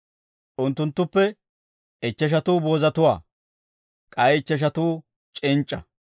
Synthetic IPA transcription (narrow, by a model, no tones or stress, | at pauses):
ʔʊnt̪ːʊnt̪ːʊpːɛ | ɪt͡ʃːɛʃ̬ɐt̪uːboːzɐt̪ʊwa̰ː | kʼɐjɪt͡ʃːɛʃ̬ɐt̪uː | t͡ʃʼɪnt͡ʃʼːɐ